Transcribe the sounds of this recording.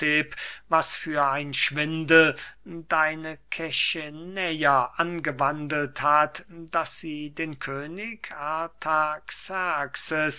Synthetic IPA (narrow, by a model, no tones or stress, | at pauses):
eːpvasfyːɐaɪnʃv̥ɪndl̩daɪnəkʰɛçənɛjɐʔanɡəvandl̩thatd̥asz̥iːdeːnkʰøːnɪkʔatʰaksaksəs